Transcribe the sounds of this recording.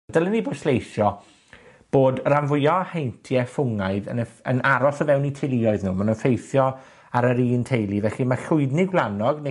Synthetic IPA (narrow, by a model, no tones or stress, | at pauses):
dəlˠəniboːd̥slejʃjɔ | b̥oːdranvʊjɔhejntʰjɛfʊŋaɨðə̰nəə̰nʔaɾɔsəvɛwnitʰelˠiɔɨðnuːmanənfejθjɔ | aɾəɾiːntʰejlˠivɛɬimaɬʊɨdniɡwlˠanɔɡne